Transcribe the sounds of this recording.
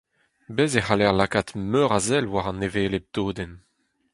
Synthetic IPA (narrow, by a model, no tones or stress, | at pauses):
bɛzeχalɛʁlakat̪møːʁazɛlwaʁɑ̃neveːleb̚d̪̥oːd̪ɛn